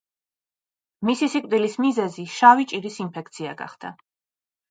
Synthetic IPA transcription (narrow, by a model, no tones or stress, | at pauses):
misisikʼd̪ilismizɛziʃavit͡ʃʼiɾisinpʰɛk̚t̪sʰia̰ɡa̰χd̪̥a̰